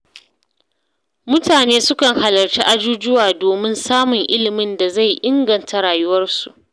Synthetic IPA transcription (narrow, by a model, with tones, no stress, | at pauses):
mʊ˦tʰaː˨neː˦sʊ˦kɐ˨ŋha˨lɐ˨rt͡ʃi˦ʔa˦d͡ʒuː˦d͡ʒɪ˦waː˨doː˨mɪ˦nsaː˦mʊ˨ŋʔɪ˦lɪ˨mɪ˦nda˨za˦˨jʔɪ˦ŋɡɐ˨ntʰa˨ɽaː˨jʊ˦wɐ˦rsu˨ʔ